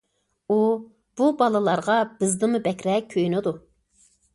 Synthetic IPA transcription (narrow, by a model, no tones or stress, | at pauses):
u | b̥ubɑlˠɨlˠɑɾʁɑb̥ɪzd̪ɪmubɛkʲɾɛk̚ʲʰːøjnɪd̪u